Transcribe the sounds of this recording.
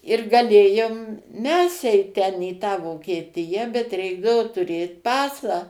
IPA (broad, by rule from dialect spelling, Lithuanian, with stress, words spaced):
ɪr ɡɐˈlʲeːjoːm ˈmʲɛs ˈɛɪt ˈtʲɛn iː ˈtɑː ʋoːkʲiɛˈtʲɪjɛ bʲɛt ˈrʲɛɪɡdɐʋoː tʊˈrʲeːt ˈpɑːsɑː